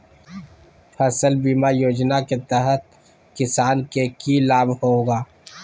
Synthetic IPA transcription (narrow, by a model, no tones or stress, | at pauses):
pʰəsəlbiːmajoːd͡ʒnaket̪ɛɦət̪̚ | kɪsaːnkekilaːbhoːɡaː